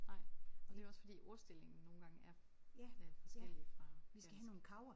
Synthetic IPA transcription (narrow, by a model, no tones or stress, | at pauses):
nɑ̈ɪ̰ɒd̥e̝ɒ̽sfɒ̽d̥ḭːʔo̝ɐsd̥el̰e̝ŋn̩no̝ːn̩ɡ̥ɑ̈ŋəæɐ̥ | seli̥ʁɑʋisɡ̥æɦænno̝ːn̩kʰɑ̈ʊɐ